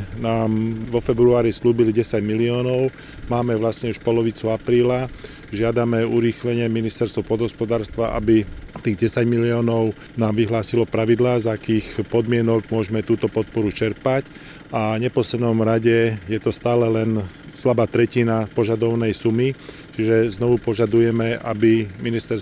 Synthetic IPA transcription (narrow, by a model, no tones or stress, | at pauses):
naːmʋɔfɛbɾuaːɾisluːbiliɟɛsaɟmiliɔːnɔʊ | maːmɛʋlasɲɛuʃpɔlɔʋit͡suapɾiːla | ʒɪad̪amɛuɾiːxlɛɲɪɛminist̪ɛɾst̪ʋɔpɔd̪ɦɔspɔd̪aːɾst̪ʋaʔa̰bit̪iːɣɟɛsaɟmiliɔːnɔʊ | naːmʋiɦlaːsilɔpɾaʋid̪laːzakiːxpɔd̪mɪɛnɔɡmʊɔʒɛmɛt̪uːt̪ɔpɔt̪̚pɔɾut͡ʃɛɾpac | avɲɛpɔslɛd̪nɔmɾaɟɛjɛt̪ɔst̪aːlɛlɛnslabaːt̪ɾɛcinapɔʒad̪ɔʊnɛjsumi | t͡ʃiʒɛznɔʋupɔʒad̪ujɛmɛʔa̰biminist̪ɛɾ